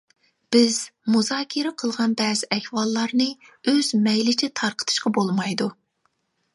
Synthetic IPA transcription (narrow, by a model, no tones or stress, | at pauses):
b̥ɪz̥muzɑːkʲʰiɾɛqʰəlˠʁɑnbɛːzɪʔɛhwɑlˠːɑɾnɨ | øz̥mɛjlɪt͡ʃʰɪt̪ʰɑɾqʰə̥t̪ʰɨ̥ʃqɑbolˠmɑjd̪u